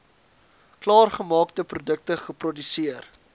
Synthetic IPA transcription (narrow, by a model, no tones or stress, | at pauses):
klɑːrχəmɑːktəprudək̚təχəprɔdysiər